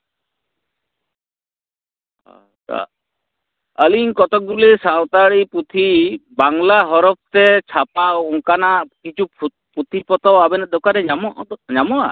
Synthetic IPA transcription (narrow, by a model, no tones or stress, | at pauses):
a̰ | t͡ʃa̰ | əliŋkɔt̪ɔk̚ɡulisawt̪aɭipɾut̪ʰibaŋlaɦɔɾɔp̚t̪ɛt͡ʃʰapawuŋkanaʔkit͡ʃʰu | pɾut̪ʰipɔt̪ɔabɛnad̪ɔkaɾɛamɔʔd̪ɲamɔa̰